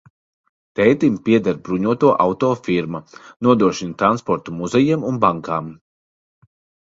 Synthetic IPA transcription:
t̪ɛjt̪impiɛd̪aɾbɾuɲuɔt̪uɔʔawt̪ɔːfiɾmanuɔd̪ɾuɔʃint̪ɾanspɔɾt̪umuzɛjimunbaŋkaːm

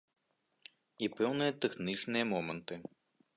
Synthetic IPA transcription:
ipɛwnɨjɐt̪ɛxnʲit͡ʂnɨjɐmɔmɐnt̪ɨ

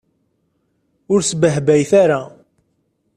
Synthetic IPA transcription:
ʊɾsbəɦbæjθaɾa

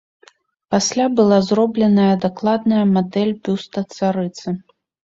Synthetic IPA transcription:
pasʲlʲabɨlˠazɾɔblʲɛnɐjɐd̪aklˠad̪nɐjɐmad̪ɛlʲbʲust̪ɐt̪saɾɨt̪sɨ

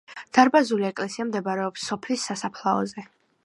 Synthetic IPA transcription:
d̪̥aɾbazuliɛkʼlɛsiamd̪ɛbaɾɛɔpsːɔpʰlisːasapʰlˠaɔ̰zɛ

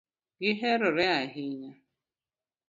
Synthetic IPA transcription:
ɡɪɦeɾʊɾeaɦɪɲa

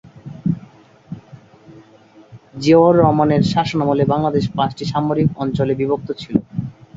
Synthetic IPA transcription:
d͡ʑeoɾːɔmaneɾʃaʃonamolebaŋlad̪eʃpat͡ɕʈiʃamoɾikɔnt͡ɕolebibok̚t̪ot͡ɕʰilo

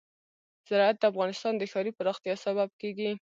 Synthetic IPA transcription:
z̥ɪɾɑat̪̚d̪əafɣɑnɪst̪ɑnd̪əxɑɾipəɾɑxt̪jɑsaβab̚keɡi

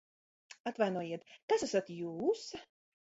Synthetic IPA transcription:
at̪vajnuɔjiɛt̪kasasat̪juːs

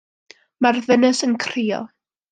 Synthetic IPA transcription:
marðənəsənkʰriːɔ̰

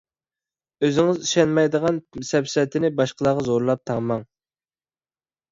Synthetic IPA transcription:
øzɪŋɪziʃɛnmɛjd̪əʁɑnsɛpsɛt̪ʰɪnɪbɑʃqəlˠɑːʁɑzoɾlˠɑp̚t̪ʰɑŋmɑŋ

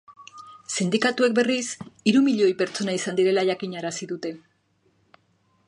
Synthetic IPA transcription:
sind̪ikat̪ue̞k̚be̞risiɾumiʎo̞jpe̞ɾt͡so̞naisand̪iɾe̞laʝakiɲaɾasiðut̪e̞

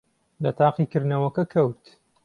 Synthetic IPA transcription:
lɐt̪ʰaːqikɨɾnɐwɐkɐkʰɐwt̪

